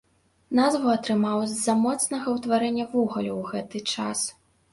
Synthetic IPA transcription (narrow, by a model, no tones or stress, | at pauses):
nazvuɐt̪ɾɨmawzzːɐmɔt̪snɐɣɐwt̪vaɾɛnʲːɐvuɣɐlʲuwɣɛt̪ɨt͡ʂas